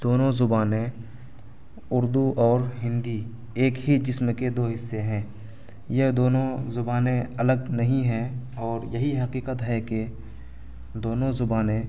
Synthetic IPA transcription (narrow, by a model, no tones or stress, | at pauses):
d̪̥oːnõzʊbaːnẽ | ʊɾd̪uʔɔːɾɦɪ̃nd̪i | eːkɦid͡ʒɪsmẽked̪oːɦɪsːeɦɛ̃ː | jeɦd̪oːnõzʊbaːnẽɐləɡnɐɦĩɦɛ̃ɔːɾjɐɦiɦɐqiːqət̪ɦɛke | d̪oːnõzʊbaːnẽ